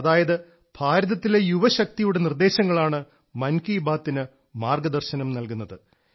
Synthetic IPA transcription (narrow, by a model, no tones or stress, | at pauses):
ðaːjɐðɨ | b̥ʱaːɾɐðɐt̪ːile̞juʋɐɕɐk̚t̪ijuɽe̞nird̪e̞ːɕɐŋːɐɭaːɳɨ | mɐnkiːbaːt̪ːinɨ | maːrɡɐd̪ɐrɕɐnɐmnɐlkunːɐðɨ